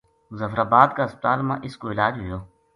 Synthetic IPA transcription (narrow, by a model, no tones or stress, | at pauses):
zəfɾaːbaːd̪kaːɪsp̚t̪aːlmã̰ːʔɪskoɪlaːd͡ʒɦʊjoː